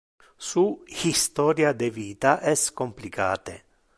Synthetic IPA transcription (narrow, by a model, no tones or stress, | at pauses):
suhist̪ɔːɾjad̪eviːt̪aʔɛskomplika̰ːt̪ḛ